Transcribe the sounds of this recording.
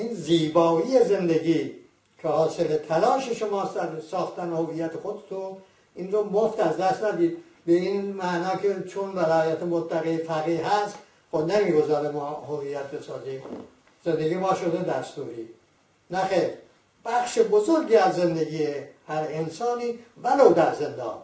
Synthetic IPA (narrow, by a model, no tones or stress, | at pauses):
ʔinziːbɒːijeze̞nd̪eɡiː | cʰehɒːselet̪ʰælɒːʃeʃomɒːsæɾsɒːxt̪ænehovijːæt̪ʰexod̪et̪ʰun | ʔinɾomoft̪æzd̪æst̪næd̪iːd̪ | beiːnmæʔnɒːkʰet͡ʃʰonvæɾæːjæt̪ʰemot̪ʰːæɣefæɣiɦæst̪ | xobnemiːɡo̞zɒːɾemɒːhoviːjːæt̪̚be̞sɒːziːm | z̥e̞nd̪eɡijemɒːʃod̪ed̪æst̪uːɾiː | næxeːɾ | b̥æxʃebozoɾɡiæzze̞nd̪eɡiːehæɾensɒːniːvælowd̪æɾzend̪ɒ̰ːn